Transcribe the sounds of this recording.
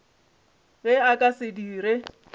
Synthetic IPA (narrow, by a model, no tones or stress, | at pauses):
ɣɛakʼasɪdiːɾe